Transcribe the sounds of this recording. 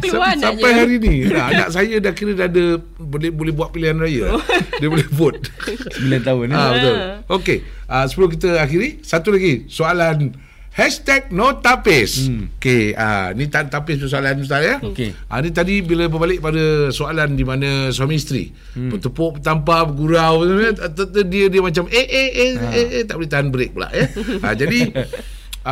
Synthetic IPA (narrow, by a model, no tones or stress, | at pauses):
sampajɦaɾiniaana̰ʔsajədakiɾədadə | bolɛbolɛhbuat̪̚piliɦanrajəa̰diəbolɛhbʊt̪̚bilant̪aʊnabət̪ʊlokeʔasə̥pəlʊkit̪əaxiɾisat̪ulaɡisoalan | hɛst̪ɛk̚not̪apɪsokea̰nit̪ant̪apɪspəs̬oalanəsaljəokʔa̰nit̪adibiləbəbalɪʔ̚padəsoalandimanəsamist̪ɾḭ | pət̪əpoʔpət̪ampapəɡuɾawət̪ət̪ət̪ədiədiəmat͡ʃamʔeʔeeeet̪aʔbəlit̪aɦanbəɾɪk̚bəla̰ʔjəa̰d͡ʒadi